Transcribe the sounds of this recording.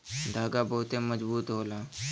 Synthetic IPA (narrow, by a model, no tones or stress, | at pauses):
d̪ʱaːɡabəɦʊt̪eməd͡ʒbuːt̪ɦoːlaː